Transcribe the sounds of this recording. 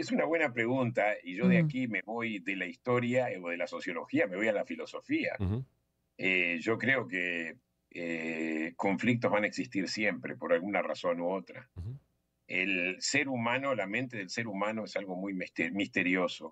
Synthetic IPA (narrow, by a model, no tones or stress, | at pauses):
esunaβwe̞napɾe̞ɣunt̪aiʒo̞ðeakimeβo̞jðelaist̪o̞ɾjaoðelaso̞sjo̞lo̞xiame̞β̞o̞jalafilo̞so̞fia̰ | eʒo̞kɾeoke | eko̞ɱflik̚t̪ozβanaeksist̪iɾsje̞mpɾḛpo̞ɾalɣunara̰so̞noot̪ɾa̰ | elseɾumãno̞lamẽnt̪e̞ðelseɾumãno̞esalɣo̞mujmist̪eɾjo̞so